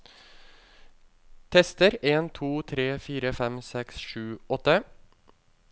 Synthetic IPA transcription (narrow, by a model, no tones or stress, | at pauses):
t̪ʰɛst̪əɾeːnt̪ʰuːt̪ʰɾeːfiːɾəfɛmsɛksʃʉːɔt̪ə